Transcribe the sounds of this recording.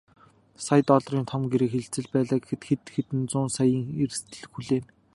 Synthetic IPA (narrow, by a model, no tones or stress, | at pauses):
sajt̪ɔɮriːnt̪ʰɔmɡeɾɘ̆ːkxeɮt͡sɘ̆ɮpæːɮaːkxɘ̆t̪xet̪xet̪ɘ̆nt͡sʊːnsajiːŋerst̪ʰɘ̆ɮxuɮeːn